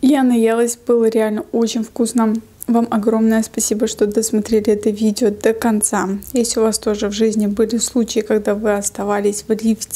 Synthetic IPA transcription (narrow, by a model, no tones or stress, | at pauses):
janɐjalˠəsʲbɨlˠəɾʲɪalʲnəot͡ɕɪnʲfkusnə | vamʔɐɡro̞mnəjəspɐsʲibəʂt̪od̪əsmɐt̪ɾʲelʲɪɛt̪əvʲidʲɪod̪əkɐnt̪sajesʲtʲʊvast̪o̞ʐɨvʐɨzʲnʲɪbɨlʲɪslˠut͡ɕɪjɪkɐɡd̪avɨɐst̪ɐvalʲɪsʲvlʲiftʲɪ